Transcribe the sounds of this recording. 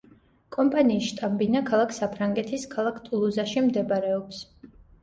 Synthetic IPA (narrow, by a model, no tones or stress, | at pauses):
kʼɔmpʼaniːsʃt̪ʼambinakʰalˠakʰsapʰɾaŋɡɛt̪ʰiskʰalˠakʰt̪ʼulˠuzaʃimd̪ɛbaɾɛɔps